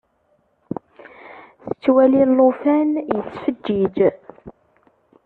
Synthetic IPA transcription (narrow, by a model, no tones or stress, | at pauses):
θət͡sːwælilːufænjət͡sːfəd͡ʒːid͡ʒ